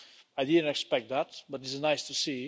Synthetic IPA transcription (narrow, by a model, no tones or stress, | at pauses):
aɪdɪdⁿn̩tɛkspɛk̚t̪̚ðæt̚bʌtɨtznaɪstʰusi